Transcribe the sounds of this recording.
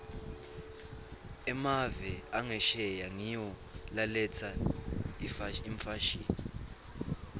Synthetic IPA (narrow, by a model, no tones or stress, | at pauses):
ɛmavɛaŋɛʃɛjaŋijɔ | lalɛt͡sʰaifaiɱfaʃiːni